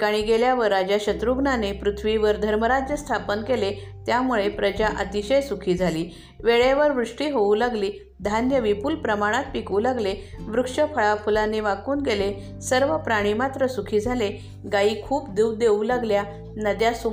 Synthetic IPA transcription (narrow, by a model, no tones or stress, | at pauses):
kaɽ̃iɡeljaʋəɾːad͡ʑjaɕət̪ɾuɡnanepɾut̪ʰʋiʋəɾd̪ʱəɾməɾad͡ʑjəst̪ʰapənkele | t̪jamuɭepɾəd͡ʑaʔət̪iɕəjsukʰiːd͡zʱaliː | ʋeɭeʋəɾʋɾuʂʈiːɦoũlaɡliː | d̪ʱanjəʋipuːlpɾəmaɽ̃at̪̚pikuːlaɡleʋɾukʂəfʰəɭafulaneʋakuːnɡele | səɾʋəpɾaɽ̃iːmat̪ɾəsukʰiːd͡zʱale | ɡaiːkʰuːp̚d̪uwd̪eulaɡlja | nəd̪jasu